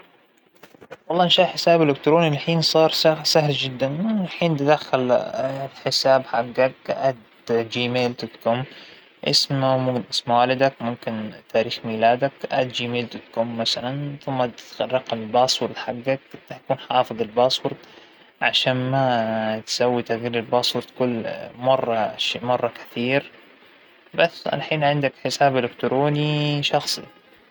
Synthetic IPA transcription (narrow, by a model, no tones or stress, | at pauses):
wɑlˤːɑːʔnʃaːʔħɪsaːbɪlːʊk̚t̪ɾoːnilħiːnsˤɑːɾˤsasahld͡ʒɪd̪ːanlħiːnt̪ɪd̪axːal | ħɪsaːbħaɡːak̚ʔad̪ | d͡ʒiːmeːld̪ʊt̪kʊm | ʔɪ̰smamʊmkɪnʔɪsmwaːlɪd̪akmʊmkɪnt̪ʰaːɾiːxmiːlaːd̪akʔa̰d̪̚d͡ʒiːmeːld̪ʊt̪kʊmːasalanθʊmːat̪rˤːɑqɑmlbɑːsˤwʊɾˤd̪ħaɡːakt̪aakuːnħaːfɨðˤɪlbɑːsˤwʊɾd̪ | ʕa̰ʃaːnmat̪sawːit̪aɣiːɾɪlbɑːsˤwʊɾˤt̪kʊlːmɑrˤːɑʃeːmɑrˤːɑkḁθiːɾ | basːʕa̰laħiːnʕɪnd̪akħɪsaːblʊkt̪ʊɾoːniʃɑxsˤḭ